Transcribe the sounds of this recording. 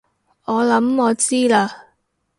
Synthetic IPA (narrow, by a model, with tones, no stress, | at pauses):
ɔː˨˧lɐ˨˥mɔː˨˧t͡siː˥laː˧